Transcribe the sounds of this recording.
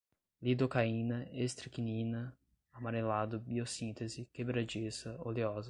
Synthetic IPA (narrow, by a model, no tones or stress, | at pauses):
lid̪okaĩnɐest̪ɾikinĩnɐ | amaɾelad̪ʊbiosĩnt̪ezɪkebɾad͡ʒisɐoliɔzɐ